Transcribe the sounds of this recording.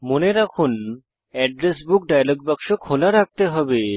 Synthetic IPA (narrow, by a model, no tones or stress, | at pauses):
moneɾakʰun | ɛɖɾesbukɖajalɔɡ̚bakʃokʰolaɾak̚t̪eɦɔbe